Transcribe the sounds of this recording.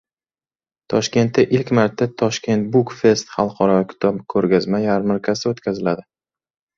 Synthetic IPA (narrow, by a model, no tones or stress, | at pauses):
t̪ʰɒʃkʲe̞nt̪ːaʔɪlkʲmaɾt̪ʰːat̪ʰɒʃkʲʰe̞nt̪̚bʊkfe̞st̪χɑlˠqʰɒɾɒvkʰʲʊ̥t̪ʰɒpkʰɵɾɡʲazmajaɾmɪɾkʲʰasɪot̪kʲʰazɪlad̪ɪ